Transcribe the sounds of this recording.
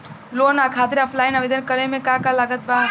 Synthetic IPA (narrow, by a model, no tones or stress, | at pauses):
lonakʰat̪iɾəpʰlajnəbed̪ənkəɾemekakalaɡət̪baɦ